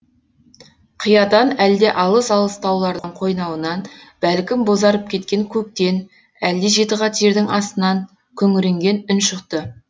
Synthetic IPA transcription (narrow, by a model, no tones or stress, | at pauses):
qʰijɑt̪ɑnæld̪e̞ʔɑlˠəsɑlˠəst̪ʰɑwlˠɑɾd̪əɴqʰo̞jnɑwənɑnb̥ælkʲɪmbo̞zɑɾəp̚kʲʰe̞t̪kʲe̞ŋkʲʰɵk̚t̪e̞n | æld̪eʒe̞t̪əʁɑt̪ʰeɾd̪ɪŋɑst̪ənɑŋ | kʲʰɵŋɪɾeŋɡʲe̞nʏnʃəqt̪ə